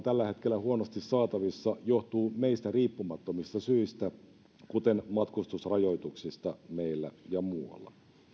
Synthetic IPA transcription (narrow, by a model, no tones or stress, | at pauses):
t̪ælːæhe̞t̪kelːæhuonost̪isːɑːt̪ɑʋisːɑjoht̪uːmeist̪æriːpːumɑt̪ːomist̪ɑsyist̪æ | kut̪enmɑt̪kust̪usrɑjo̞jt̪uksist̪ɑmeilːæ̰jɑmuɑ̰lːɑ̰